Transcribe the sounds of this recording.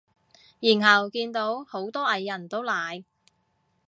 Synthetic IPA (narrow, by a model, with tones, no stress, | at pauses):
jiː˨˩nɦɐ˨wkiː˧nt̪o˨˥who˨˥wt̪ɔː˥ʔɐ˨˧jːɐ˨˩nt̪o˥wlaː˨j